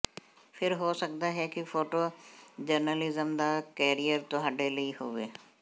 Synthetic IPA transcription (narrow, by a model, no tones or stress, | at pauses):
fʰɪɾɦoːsɐkd̪aɦɛkifʰoːʈod͡ʒəɾnəlɪzəmd̪akɛːɾijəɾt̪oɦɐɖelɐiɦoːʋeː